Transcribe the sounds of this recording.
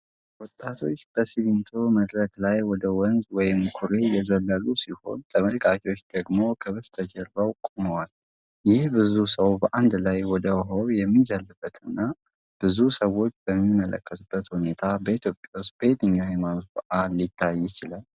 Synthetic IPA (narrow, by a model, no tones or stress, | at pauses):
wɔt̪ʼːat̪ʰo̞t͡ʃːb̥əsiβint̪ʰo̞məd̪ɾəklajwɔd̪əwɔnzwɔjɪmkʰuɾe̞jɛzəlːəlusiho̞̰nt̪ʰəməlkʼat͡ʃʼwot͡ʃːd̪̥əɡmo̞kʰəβəst̪ʰəd͡ʒɛɾbawkʼuməwal | jɪhbɨzusəwbəʔand̪lajwɔd̪əwɦowjɛmːizəlːɨbːət̪ʰɨnːa | b̥ɨzusəwːo̞t͡ʃːbəmːimːələ̰kʰʼːət̪b̥ːət̪hune̞t̪ʰabəit̪ʰjo̞pʼjawust̪̚b̥əet̪ɨɲːahajmanot̪bəʔalːit̪ʰːajːɪt͡ʃɪlal